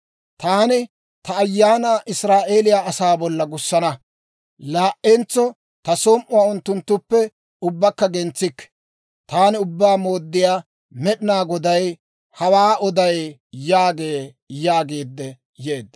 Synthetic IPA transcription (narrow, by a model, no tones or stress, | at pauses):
t̪aːnɪ | t̪ɐːjːaːnaːʔɪsɾaːʔeːlɪjaːɐsaːbɔlːɐɡʊsːɐnɐ | laːʔent͡sːɔ | t̪ɐsɔmʔʊwaːʊnt̪ːʊnt̪ːʊpːɛ | ʊbːɐkːɐɡɛnt͡sːɪkː | t̪aːnɪʊbːaːmo̞ːd̪ːɪjaː | mɛɗɪnaːɡɔd̪ɐj | hɐwaːʔɔd̪ɐjjaːɡe̞ː | jaːɡeːd̪ːɛ | jeːd̪ːɐ